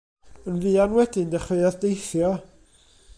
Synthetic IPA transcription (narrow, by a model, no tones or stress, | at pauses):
ənviːanwɛdɨndɛχɪɨaðdejθjɔ